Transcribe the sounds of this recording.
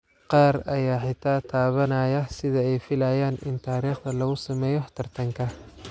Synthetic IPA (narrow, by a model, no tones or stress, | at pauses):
qɑːrɐjaːħɪt̪ʰaːt̪ʰaːβɐnɐːjɐsɪðɐɛjfɪlɐːjaːnʔɪ̰nt̪ʰaːɾiːχd̪ɐlɐɣʊsɐmɛːjɔhɐ̥t̪ʰɐrt̪ʰɐŋkʰɐ